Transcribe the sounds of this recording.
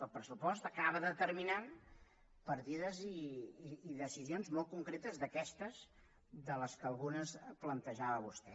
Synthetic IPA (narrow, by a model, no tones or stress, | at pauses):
əlˠpɾəsupɔst̪əkaβəðət̪əɾminan | pəɾt̪iðəziː | ðəsizionzmɔlˠt̪̚kuŋkɾet̪əzðəkɛst̪əz | ðələskəlˠɣunəsplənt̪əʒaβəβust̪ɛ